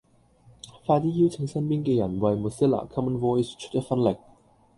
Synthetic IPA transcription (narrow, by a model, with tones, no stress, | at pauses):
faː˧t͡siː˦˥ji˥wt͡sʰɪ˧˥ŋsɐ˥npiː˥nkɛː˧jɐ˨˩nwɐ˨˧jmu˨˩si˥la̰ː˨˩kʰɐ˥mə˨˧nvɔː˧˥i˩st͡ʃʰɵ̥˥t̚jɐ˥k̚fɐ˧˥nlɪ˨˩k̚